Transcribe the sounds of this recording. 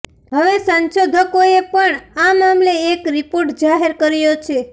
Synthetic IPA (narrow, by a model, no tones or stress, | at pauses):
ɦəʋesənʃod̪ʱəkoepəɳamamleːkɾipoɾʈd͡ʒaɦeɾkəɾjot͡ʃʰe